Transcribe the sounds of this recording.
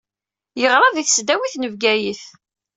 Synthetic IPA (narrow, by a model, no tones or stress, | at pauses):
jəʁɾˤɑðiθsd̪æwiθnəvɡæjiθ